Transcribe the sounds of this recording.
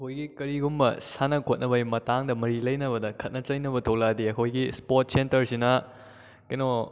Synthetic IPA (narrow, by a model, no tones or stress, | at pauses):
ɐkʰojɡikɐɾiɡumbɐ̰sanɐkʰot̚nɐbɐmɐtaŋdɐmɐɾilɐjnɐβɐdɐkʰɐt̚nɐt͡ʃɐjnɐbɐtʰɐwladiɐkʰojɡispot̚sentɐɾsinɐ | kɐjno